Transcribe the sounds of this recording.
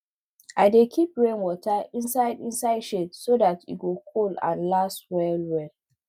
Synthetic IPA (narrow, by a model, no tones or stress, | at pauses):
ʔaɪdekʰipɹẽnwɔtʰəĩnsaɪdĩnsaɪdʃedsodatḭɡokʰolã̰nlaswɛlwɛl